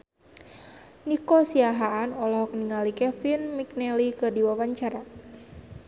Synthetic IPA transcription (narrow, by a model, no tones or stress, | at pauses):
nikɔsiaɦaːnɔlɔhɔkniŋalikɛfinmik̚nɛlikɨrdiwawaɲt͡ʃaɾa